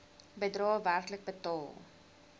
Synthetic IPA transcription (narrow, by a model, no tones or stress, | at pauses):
bədrɑːværklək̚bətɑːlˠ